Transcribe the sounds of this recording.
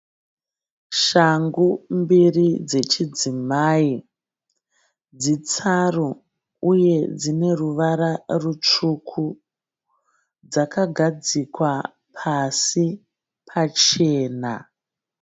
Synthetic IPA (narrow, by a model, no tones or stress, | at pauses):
ʃaŋɡumbirid͡ze̞t͡ʃid͡zimaːi | d͡zit͡saru | uje̞d͡zine̞ruʋaɾarut͡ʂukʰu | d͡zakaɡʱad͡zikwa | pʰasi | pʰat͡ʃe̞ːna̰